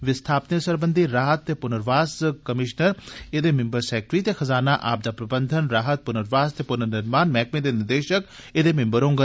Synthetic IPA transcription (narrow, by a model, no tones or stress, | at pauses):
ʋɪst̪ʰaːpnesəɾbənd̪ʱiɾaːɦət̪ːeːpʊnəɾʋaːskəmɪʃnəɾed̪eːmɪ̃mbəɾsɛːk̚ʈɾit̪exəzaːnaʔa̰ːp̚d̪aːpɾɐbənd̪ʱənɾaːɦət̪̚pʊnəɾʋaːst̪epʊnənɪɾmaːnmɛːkmẽd̪eːnɪɾd̪eːʃək | ed̪eːmɪ̃mbəɾõːŋɡə